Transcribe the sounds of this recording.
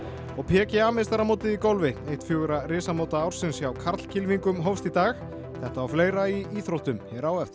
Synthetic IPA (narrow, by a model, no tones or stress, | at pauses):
ɔɣpʰɛːcɪamest̪aɾamoːwt̪ɪðikowlvɪejht̪fjoːɣʏɾaɾɪːsamowt̪aaːwɾ̥sɪnsjawkʰaɾt̪l̥cʰɪlviŋkʏmɦowfst̪it̪aːx | θɛht̪aːwfleːjɾaiiːθɾowht̪ʏmhɛɾaːwɛft̪